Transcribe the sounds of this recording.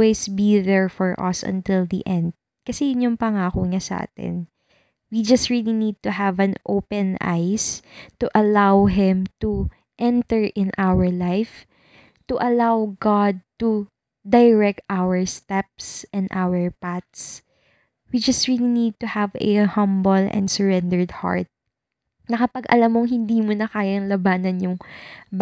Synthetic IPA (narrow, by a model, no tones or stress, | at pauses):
wejsbiðɛɹfɔɹʔɐ̰sʔɐ̰̃nt̪ɪld̪ḭʔɛ̃nd̪̚ | kɐsɛjʊnjʊŋpɐŋaːkoŋasɐʔa̰ːt̪ɛ̰n | wid͡ʒɐst̪ɹilinid̪̚t̪ʊɦavɐ̃nʔo̰wpɛ̃nʔa̰jst̪uʔɐlawɦɪ̃mt̪u | ʔɛ̃nt̪ɛɹʔɪ̃nʔawəɹlajf | t̪ʊʔɐlawɡad̪̚t̪u | d̪ɐjɹɛk̚t̪ʔawɛɹst̪ɛp̚sʔɛ̃nd̪ʔawɛɹpat̪̚s | wid͡ʒɐst̪ɹiːlinid̪̚t̪ʊhavɛ̰hɐ̃mbɔlɛ̰̃nd̪səɹɛ̃nd̪ɛɹd̪ha̰ɹt̪̚ | nɐkɐpɐɡʔɐ̰lamːoŋɦɪnd̪iːmonɐkaːjɐŋlɐbaːnɐnjʊŋb